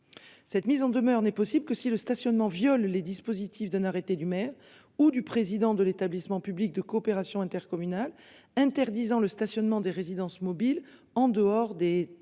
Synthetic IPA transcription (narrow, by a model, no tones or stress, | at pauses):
sɛt̪mizɑ̃d̪əmœʁnɛpɔsibləkəsiləst̪asjɔnmɑ̃vjɔlːed̪ispozit̪ifd̪ɛ̃naʁet̪ed̪ymɛʁ | ud̪ypχezid̪ɑ̃d̪əlet̪ablismɑ̃pyblik̚d̪əkɔːpeʁasjɔ̃ɛ̃t̪ɛʁkɔmynalɛ̃t̪ɛʁd̪izɑ̃ləst̪asjɔnmɑ̃d̪eʁezid̪ɑ̃smɔbil | ɑ̃d̪əɔʁd̪e